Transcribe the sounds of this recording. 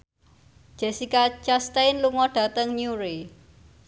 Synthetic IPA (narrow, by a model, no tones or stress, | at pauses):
d͡ʒ̥ɛ̤sikat͡ʃast̪ajnluŋɔɖ̥a̤t̪əŋɲuɾi